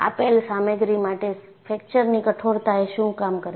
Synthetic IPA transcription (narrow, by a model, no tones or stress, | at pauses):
a̰pelsameɡɾimaʈe | fʰek̚t͡ʃəɾnikəʈʰoɾt̪aeʃũkamkəɾe